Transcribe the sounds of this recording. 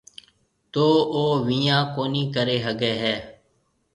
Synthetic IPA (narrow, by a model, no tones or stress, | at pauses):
t̪oːoːʋĩːjãːkoːniːkəɾeːɦəɡɛːɦɛː